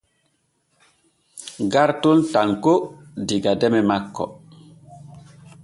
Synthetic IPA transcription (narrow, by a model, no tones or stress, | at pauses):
ɡaɾtuntaŋkodiɡadɛmɛmakːɔ̰